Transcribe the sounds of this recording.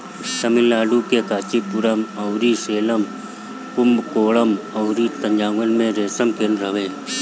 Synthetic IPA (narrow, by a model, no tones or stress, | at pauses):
səmɪllaːɖukekaːt͡ʃipuɾəmɐʊɾiseːləm | kʊmbkoːɭəmɐʊɾit̪əɲd͡ʒaːŋɡənmẽɾeːsəmkenɾəʋẽː